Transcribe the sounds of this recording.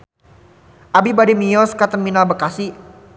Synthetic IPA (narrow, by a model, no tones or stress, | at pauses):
ʔabibadimijɔskat̪ənminalbəkasi